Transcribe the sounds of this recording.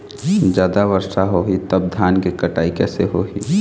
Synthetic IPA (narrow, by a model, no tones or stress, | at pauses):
d͡ʒjaːd̪aʋəɾʃaɦoɦit̪əb̚d̪ʱaːnkekəʈaːikɛːseɦoɦiː